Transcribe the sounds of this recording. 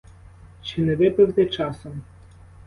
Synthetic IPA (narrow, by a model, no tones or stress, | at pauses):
t͡ʃɪnɛʋɪpɪwt̪ɛt͡ʃɑsɔm